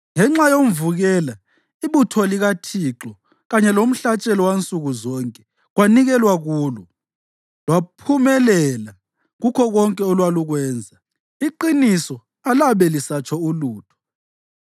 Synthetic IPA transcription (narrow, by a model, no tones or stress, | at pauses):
ŋɛŋ͡ǁajom̩vuɣɛla | iβutʰɔliɣatʰiǁɔ | ɣaɲɛlom̩ɬat͡ʃʼɛlɔwant͡sʼuɣuzɔŋkʼɛ | ɣwaniɣɛlwaɣuːlɔ | lwapʰumɛlɛla | ɣukʰɔɣɔŋkʼɛɔlwaluɣwɛːnd͡zʱa | iǃinisɔ | alaβɛlisat͡ʃʰʼɔuluːtʰɔ̥